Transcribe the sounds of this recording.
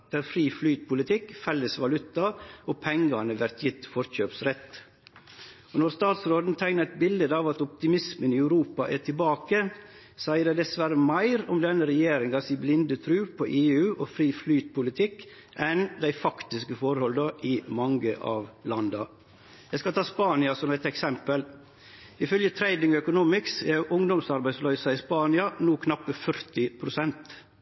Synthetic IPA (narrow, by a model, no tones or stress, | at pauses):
æɾfɾiːflyːt̪̚pʰʊlɪt̪ʰɪkfɛlːəsʋɑlʉt̪ːɑoːpʰɛŋɡɑnəʋæɾt̪ʰjɪt̪fɔɾçøːpsɾɛt̪ː | onɔɾst̪ɑːt̪sɾoːd̪n̩ət̪ʰæɪnəɾɛt̪̚bɪld̪əd̪ɑːʋɑt̪ɔp̚t̪ɪmɪsmənɪæʉɾuːpɑʔæʈʰɪbɑːkə | sæɪəd̪æɪd̪ɛsʋæɾəmæɪɾɔmd̪ɛnːəɾɛjeːɾɪŋɑsiːblɪnd̪ət̪ʰɾʉːpʰɔʔeːʉːʔɔfɾiːflyːt̪pʰʊlɪt̪ʰɪkː | ʔɛnd̪æɪfɑkt̪ɪskəfɔɾhɔld̪ɑʔɪmɑŋɡəʔɑ̰ːʋlɑnd̪ɑ | j̪æɪskɑt̪ʰɑːspɑːnɪɑsɔmɛt̪ɛksɛmpəl | ɪfœljət̪ʰɾæɪd̪ɪŋœkʊnuːmɪksɛɾjʊʔʊŋd̪ɔmsɑɾbæɪd̪slœʏsɑɪspɑːnɪɑnuːkʰnɑpːəfœɾt̪ɪpʰɾʊsɛnt̪